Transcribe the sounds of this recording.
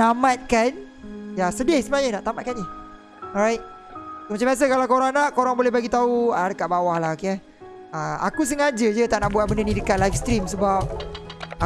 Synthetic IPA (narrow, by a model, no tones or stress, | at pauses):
namãt̪̚kan | jasədiahsəmaɲənaʔt̪amat̪̚kani | ɔɾajt̪̚ | somat͡ʃambias̬əkalakoɾaŋnaʔkoɾaŋbolɛhbaɡit̪auadəkat̪ʔ̚bawahlahoke | aa̰kus̬əŋad͡ʒəd͡ʒət̪aʔnaʔbuat̪̚bəndənĩdəkat̪̚lajfst̪ɾimsəbap̚ | a